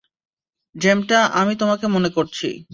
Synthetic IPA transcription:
d͡ʑemʈaʔamit̪omakemonekoɾt͡ɕʰḭ

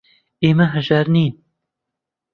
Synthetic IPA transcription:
eːmɐɦɨʒɐɾniːn

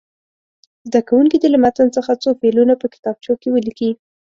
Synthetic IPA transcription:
zd̪akawuŋkid̪əlamat̪ant͡səxat͡sofelunapəkɪ̥t̪ɑb̚t͡ʃokewəliki

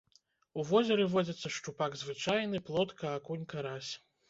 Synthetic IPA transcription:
uvɔzʲɛɾɨvɔd͡zʲɐt̪sːɐʂt͡ʂupaɡzvɨt͡ʂajnɨplˠɔt̪kɐːkunʲkɐɾasʲ

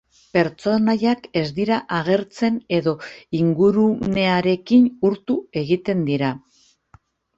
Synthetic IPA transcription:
pe̞ɾt͡so̞naʎake̞zd̪iɾaʔaɣ̞e̞ɾt͡se̞ne̞ðo̞iŋɡuɾune̞aɾe̞kinuɾt̪ue̞ɣit̪e̞nd̪iɾa

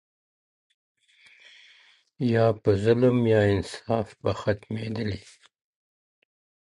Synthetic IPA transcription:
jɑːpəzʊləmjɑːɪnsɑfbaxat̪med̪əli

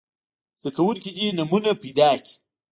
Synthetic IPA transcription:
sɐkɐwulkʲid͡ʒinɐmunɐpid̪aːkʲi̥

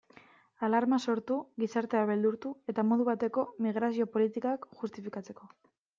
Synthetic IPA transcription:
alaɾmaso̞ɾt̪uɣisaɾt̪eaβe̞ld̪uɾt̪ue̞t̪amo̞ðuβ̞at̪e̞ko̞miɣ̞ɾasio̞po̞lit̪ikoakʝust̪ifikat͡se̞ko̞

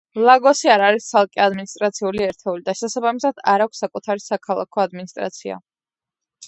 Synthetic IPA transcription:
lˠaɡɔsiaɾaɾist̪sʰalˠkʼiad̪minist̪ʼɾat̪sʰiuliɛɾt̪ʰɛulid̪aʃɛsabamisad̪̥aɾakʰʷsːakʼut̪ʰaɾisakʰalˠa̰kʰɔad̪minist̪ʼɾa̰t̪sʰia̰

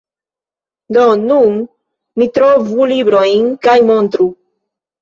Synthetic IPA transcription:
d̪onun | mit̪ɾovulibɾojnkajmo̞nt̪ɾu

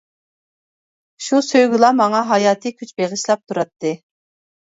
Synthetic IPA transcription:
ʃusøjɡʲilˠɑmɑŋɑɦɑjɑːt̪ʰɨkʲʰyt͡ʃbeʁɨʃlˠɑp̚t̪ʰuɾɑt̪ʰːɨ

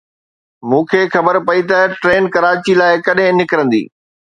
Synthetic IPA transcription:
mũːkʰeːxɐbəɾpɐit̪ɐʈɾeːnkɐɾaːt͡ɕilaːɪkɐɗɦɪ̃nɪkɾə̃nd̪ḭː

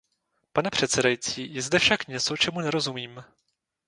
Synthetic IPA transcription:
panɛpr̝̥ɛt̪t͡sɛdajit͡siːjɛzdɛfʃakɲɛt͡so̞t͡ʃɛmunɛɾo̞zumiːm

